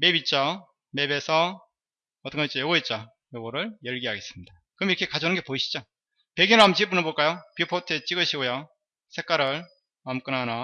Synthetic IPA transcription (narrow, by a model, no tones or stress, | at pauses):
me̞bit̚t͡ɕ͈o | me̞be̞sʰʌ | ʌt͈ʌkaet͡ɕ͈ojʌɡoet̚t͡ɕ͈o | joɡʌɾɯɭjʌɭɡiɦaɡe̞s͈ɯmɲida | kɯʌmiɾʌkʰe̞kad͡ʑonɯnɡe̞poiɕʰi̥d͡ʑo | pe̞ɡinamt͡ɕiɭp͈unɯɭboɭk͈ajopipʰotʰɯt͡ɕ͈iɡɯɕʰiɡojo | sʰe̞k͈aɾɯɭ | amk͈ɯnana